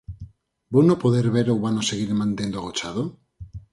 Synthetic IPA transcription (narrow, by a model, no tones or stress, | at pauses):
bunopoðeɾβeɾouβanoseɣiɾemant̪end̪oɣot͡ʃaðo